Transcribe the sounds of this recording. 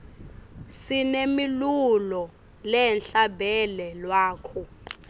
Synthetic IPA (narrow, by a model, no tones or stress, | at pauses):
sinemilulɔ | lɛnɬabʱɛlɛlwaːkʰɔ